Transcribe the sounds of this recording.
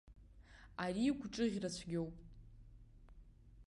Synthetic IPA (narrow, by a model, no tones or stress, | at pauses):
ariɡʷʰʈ͡ʂʼɨʁʲrat͡ɕʷʰɡʲo̞wpʼ